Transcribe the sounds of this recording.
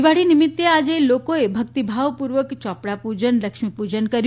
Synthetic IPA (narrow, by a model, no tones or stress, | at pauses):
ʋaɽinimit̪ːead͡ʒelokoebʱəkt̪ibʱaʋpuɾʋəkt͡ʃɔpɽapud͡ʒənləkʃmipud͡ʒənkəɾj